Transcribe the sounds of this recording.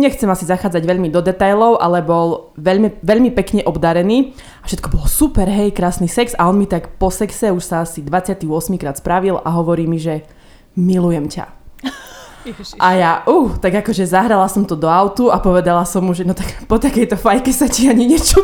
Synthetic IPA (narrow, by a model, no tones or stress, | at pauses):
ɲɛxt͡sɛmasizaxaːd͡zaɟʋɛʎmid̪ɔd̪ɛt̪ajlɔʊʔalɛbɔlʋɛʎmiʋɛʎmipɛkɲɛʔɔbd̪aɾɛniː | afʃɛt̪kɔbɔlɔsupɛɾɦɛjkɾaːsnisɛksaɔnmit̪akpɔsɛksɛuʃsaasid̪ʋat͡sɪat̪iɔsmikɾaːt̪spɾaʋila̰ɦɔʋɔɾiːmiʒɛ | milujɛmca̰ | ʔajaʔuːt̪aɡakɔʒɛzaɦɾalasɔmt̪ɔd̪ɔaʊt̪uapɔʋɛd̪alasɔmːuʒɛnɔt̪akpɔt̪akɛjt̪ɔfajkɛsaciaɲiɲɛt͡ʃɔ